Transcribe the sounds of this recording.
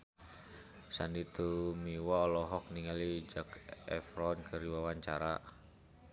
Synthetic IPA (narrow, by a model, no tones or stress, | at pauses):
sanit̪umiwaɔlɔɦɔk̚niŋalid͡ʒakɛfɾɔnkʰɨriwawaɲt͡ʃaɾa̰